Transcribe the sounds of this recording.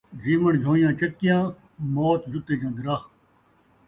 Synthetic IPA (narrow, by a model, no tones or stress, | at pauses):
ziːməɳd͡ʒʱõːjãːt͡ɕɐt̪̚kijãː | moːt̪zʊt̪eːkãːɡɪɾaːh